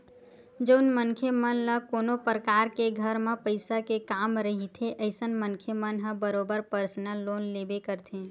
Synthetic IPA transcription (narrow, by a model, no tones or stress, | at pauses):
d͡ʒəʊnmənkʰjemənləkoːnopɾəkaɾkeɡʱəɾmẽpəɪsakekamɾəɦit̪ʰeʔəɪsənmənkʰjemənɦə̃bəɾobəɾpəɾsnəlonlebekəɾt̪ʰẽ